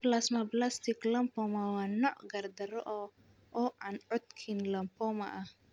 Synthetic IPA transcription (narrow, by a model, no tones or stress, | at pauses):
blasmablast̪ɪklɐmpɔmawanɔʔɡɐrd̪ɐɾɔʔɔ | ʔɔʔanʕɔt̪̚kʰinlɐmpɔma̰ʔah